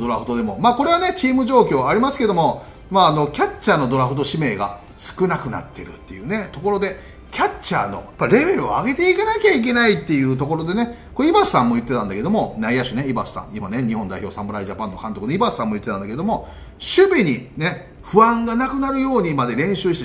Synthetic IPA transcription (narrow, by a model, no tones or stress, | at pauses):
d̪o̞ɾaɸɯ̟d̪o̞d̪e̞mo̞maːko̞ɾe̞β̞ane̞t͡ɕiːmɯ̟ʑo̞ːkʲo̞ːaɾʲimasɨ̥ke̞d̪o̞mo̞ | maːno̞kʲat͡ɕːaːno̞d̪o̞ɾaɸɯ̟d̪o̞ɕime̞ːɡa̰ | sɨ̥kɯ̟nakɯ̟na̰t̪ːe̞ɾɯ̟t̪ːe̞̰jɯ̟ːne̞t̪o̞koɾo̞d̪e̞ | kʲat͡ɕːa̰ːno̞̰jḁpːaiɾe̞be̞ɾɯ̟oaɡe̞t̪e̞ikanakʲaik̬ʲe̞nait̪ːe̞jɯ̟ːt̪̬oko̞ɾo̞d̪e̞ne̞koibasɨ̥sãmːo̞jɯ̟t̪ːeãnd̪ake̞d̪o̞mo̞naijaɕineibasɨ̥sã̰ŋ̃imane̞ɲ̟ihõ̞nd̪a̰içʲo̞ːsãmbɯ̟ɾaiʑapãnːo̞kãnt̪o̞kɯnibasɨ̥ːãmːojɯ̟t̪ːet̪ãnd̪aked̪omo̞ | ɕɨbʲiɲ̟ine̞ | ɸɯ̟ãŋɡanakɯ̟naɾɯ̟jo̞ːɲ̟imad̪e̞ɾẽ̞ɰ̃ɕɨːɕi̥t̪e